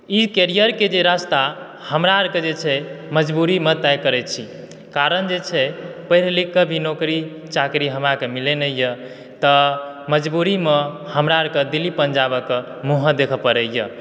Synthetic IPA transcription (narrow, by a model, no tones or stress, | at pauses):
ikeɾijəɾked͡ʒeɾast̪a | həmɾaəɾked͡ʒet͡ʃʰɛməd͡ʒbuɾimet̪ɛjkəɾɛt͡ʃʰi | kaɾənd͡ʒet͡ʃʰɛpəɦiɾlikːəbʱinokɾi | t͡ʃakɾiɦəmɾakemilenəjjə | t̪ə | məd͡ʒbuɾimehəmɾaəɾked̪ilːipənd͡ʒabəke | muɦə̃d̪ekʰəpəɾəjə̰